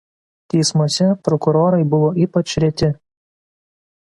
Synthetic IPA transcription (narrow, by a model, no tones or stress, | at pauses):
t̪ʲɛɪsmuɔsʲɛpɾɔkʊɾoːɾɐɪbʊʋoːʔiːpɐt͡ʃʲɾʲɛt̪ʲɪ